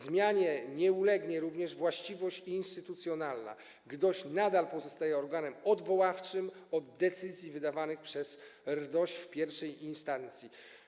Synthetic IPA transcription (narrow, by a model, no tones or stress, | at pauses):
zmʲjaɲɛɲɛulɛɡɲɛɾuvɲɛʐvwaɕt͡ɕivɔɕt͡ɕinst̪ɘt̪ut̪sʲjɔnalna̰ | ɡd̪ɔɕnad̪alpɔzɔst̪ajɛɔɾɡanɛmɔd̪vɔwaft͡ʂɘmɔd̪̚d̪ːɛt̪sɘzʲjivɘd̪avanɘxpʂɛsɾd̪ɔɕt͡ɕfpʲjɛɾfʂɛjinst̪ant̪sʲji